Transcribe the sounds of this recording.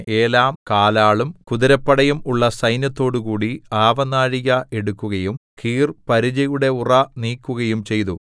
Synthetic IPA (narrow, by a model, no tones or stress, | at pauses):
e̞ːlaːmkaːlaːɭumkuðiɾɐpːɐɽɐjumuɭːɐsɐjnjɐt̪ːo̞ːɽukuːɽiaːʋɐnaːɻiɣɐʔe̞ɽukːuɣɐjumkʰiːrpɐɾid͡ʑɐjuɽe̞urɐniːkːuɣɐjumt͡ɕe̞jt̪u